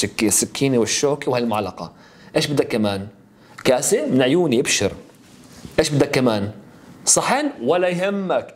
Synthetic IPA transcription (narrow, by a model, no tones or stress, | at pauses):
kːisːɪkʰːiːniwɪʃːoːkiwhalmʊʕlɑqɑ̰ | ʔeːʃbɪd̪ːakːamaːn | kaːsɪmɪnʕjuːniʔɪbʃɪɾ | ʔeːʃbɪd̪ːakːamaːn | sˤɑħɪːnwɪlːajɦɪmːak